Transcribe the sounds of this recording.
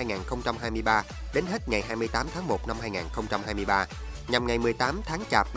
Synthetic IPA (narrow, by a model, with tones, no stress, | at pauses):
a˧jŋaː˨˩nxə˧wŋ͡mt͡ɕa˧mhaː˧jmɨ˧əjɓaː˧ | ɗe˨˦nheː˦˥t̚ŋa˨˩jɦaː˧jmɨ˧əjt̪aː˨˦mt̪ʰaː˨˦ŋmo˨˩t̚na˧mhaː˧jŋaː˨˩nxə˧wŋ͡mt͡ɕa˧mɦaː˧jmɨ˧əjɓaː˧ | ɲa˨˩mŋa˨˩jmɨ˨˩əjt̪aː˨˦mt̪ʰaː˨˦ŋt͡ɕaː˨˩p̚